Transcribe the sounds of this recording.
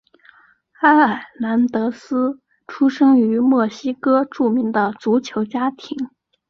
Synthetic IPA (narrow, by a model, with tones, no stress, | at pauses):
xa˥a˥˩na˧˥nt̪ɤ˧˥sɹ̩˥ | ʈ͡ʂʰu˥ʂɤ˥ŋy˧˥mwɔ˥˩ɕi˥kɤ˥ʈ͡ʂu˥˩mi˧˥ŋd̪ə˧t͡su˧˥t͡ɕʰjo˧˥ʊt͡ɕja˥t̪ʰi˧˥ŋ